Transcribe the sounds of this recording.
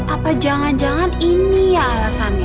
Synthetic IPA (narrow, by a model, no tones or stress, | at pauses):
ʔapad͡ʒaŋand͡ʒaŋaninijaːlasana